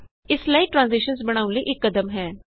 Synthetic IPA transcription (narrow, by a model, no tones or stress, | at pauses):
ɪslaiːʈɾãːnziːʃənsbəɽ̃aːʊnləiːʔɪkːəd̪əmɦɛː